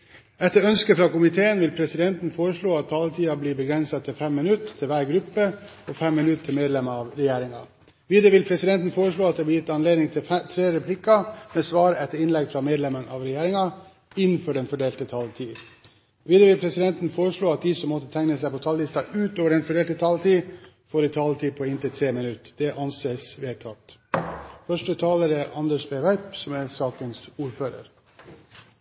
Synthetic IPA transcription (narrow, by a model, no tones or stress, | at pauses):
ɛt̪ːəɾœnskəfɾɑːkʊmɪt̪ʰeːənʋɪlpʰɾɛsɪd̪ɛnt̪n̩foːɾəʂɭoːɑt̪ʰːɑːlət̪ʰiːɑbliːbəɡɾɛnsɑt̪ʰːɪlfɛmːɪnʉt̪ʰːɪlʋæːɾɡɾʉpːə | ɔfɛmːɪnʉt̪ʰːɪlmeːd̪lɛməɑʋɾɛjeːɾɪŋɑ̰ | ʋiːd̪əʋɪlpʰɾɛsɪd̪ɛnt̪n̩foːɾəʂɭoːɑt̪̚d̪ɛblɪjɪt̪ːɑnleːd̪nɪŋt̪ʰɪt̪ʰɾeːɾɛpʰlɪkːɑmeːsʋɑːɾəɛt̪ːəɾɪnlɛɡfɾɑmeːd̪lɛmənəɑʋɾɛjeːɾɪŋɑ | ɪnːfɔɖɛnfɔɖeːlt̪ət̪ʰɑlt̪ʰiː | ʋiːd̪əʋɪpʰɾɛsɪd̪ɛnt̪nfoːɾəʂɭoːɑt̪̚d̪isɔmːɔt̪ːət̪ʰæŋnəsæɪpɔt̪ʰɑlːɪst̪ɑʔʉːt̪oːʋəɖɛnfɔɖeːlt̪ət̪ʰɑlt̪iː | foːɾɪt̪ʰɑlt̪ʰiːpʰɔɪnt̪ʰɪlt̪ʰɾeːmɪnʉt̪ːd̪̥ɛʔɑnseːsʋeːt̪ʰɑt̪ː | fœʂʈət̪ʰɑːləɾəʔɑnd̪əʂbæɪʋæɾpsɔmæɾɛsɑːkənsuːɾføːɾə̰ɾ